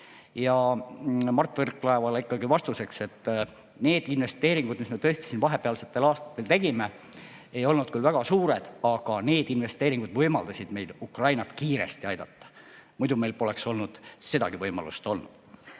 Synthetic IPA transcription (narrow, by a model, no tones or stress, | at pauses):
jɑ | mɑrt̪ːˑverkːˑlɑevɑlikːɑɡivɑst̪use̞kse̞t̪ː | ne̞ːd̪̥inve̞st̪e̞ːɾiŋɡ̥ud̪̥misme̞t̪ɤ̞est̪i̥sinvɑɦe̞peɑlse̞t̪ːe̞lɑːst̪ɑ̥t̪ːˑe̞lt̪e̞ɡ̥ime̞ | e̞jo̞lnud̪̥kylvæɡ̥ɑsuːɾe̞d̪̥ɑɡ̥ɑne̞ːd̪̥inve̞st̪e̞ːɾiŋɡ̥ud̪vɤjmɑ̰ld̪ɑsid̪̥me̞jd̪̥ukrɑjnɑt̪kiːɾe̞̰st̪iɑjd̪̥ɑt̪ːɑ̥ | mujd̪ume̞jlpo̞le̞kso̞lnud̪̥se̞d̪̥ɑ̰ɡ̥ivɤjmɑ̰lṵst̪o̞lnṵd̪̥